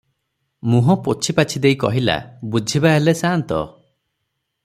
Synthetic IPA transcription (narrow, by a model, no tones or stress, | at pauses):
muɦɔ̃pot͡ʃʰipat͡ʃʰid̪ejkɔɦila̰bud͡ʒʱibaɦelesant̪ɔ̰